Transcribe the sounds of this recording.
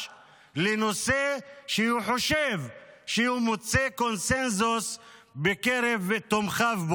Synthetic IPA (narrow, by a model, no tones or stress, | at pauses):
leno̞seʃehuħo̞ʃevʃeumot͡seko̞nsenzusbekeʁevet̪omχavbo